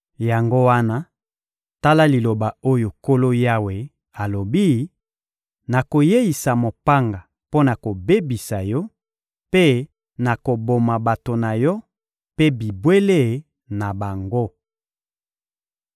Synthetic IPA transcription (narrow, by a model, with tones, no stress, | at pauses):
ja˨ŋɡo˦wa˦na˦ | ta˦la˦li˨lo˨ba˨o˦jo˨ko˦lo˦ja˦we˨ | a˨lo˨bi˦ | na˨ko˨je˦ji˨sa˨mo˨pa˦ŋɡa˨ | po˦na˨ko˨be˦bi˨sa˨jɔ˦ | pe˦ | na˨ko˨bo˨ma˨ba˨to˨na˨jɔ˦ | pe˦bi˨bwe˦le˦˨ | na˨ba˨ŋɡo˦